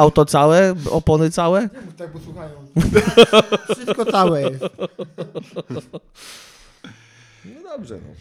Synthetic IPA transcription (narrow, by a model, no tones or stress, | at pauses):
awt̪ɔt̪sawɛɔpɔnɘt̪sawɛt̪aɡpɔsuxajɔ̃ | fʂɨst̪̚kɔsawɛ | nɔd̪ɔbʐɛ̰